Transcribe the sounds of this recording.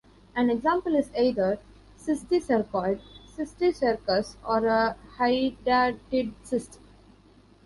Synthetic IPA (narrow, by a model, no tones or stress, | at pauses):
æ̃neɡzãːmpəlɪzaɪd̪əɾ | sɪsʈisəɾkɔːlɖsɪksʈisəɾkəsɔːɾəhaɪɖaʈɪɖsɪsʈə̥̃m